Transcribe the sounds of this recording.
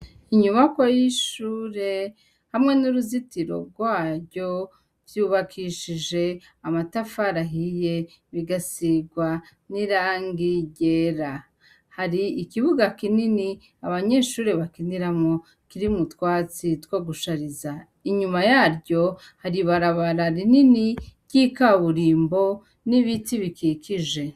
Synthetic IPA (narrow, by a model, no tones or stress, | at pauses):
iɲuβakwojiʃuːɾe̞ | hamŋe̞nuɾuzitiɾo̞̰ɡwaːɾjo̞ | vjuːβakʰiʃid͡ʒe̞ | amatafaɾaɦije̞ | βiɡasiɡwa | niɾaːŋɡiɟeɾa | haɾiːkiβuɡakinini | aβaɲe̞ːʃuːɾeβakiniɾamo̞ | kiɾimutwaːt͡sitwaɡuʃaɾiza | iɲumajaːɾɟo̞ | haɾiβaɾaβaɾaɾininiɟikaβuɾiːmbo̞ | niβitiβikikʰiʒe̞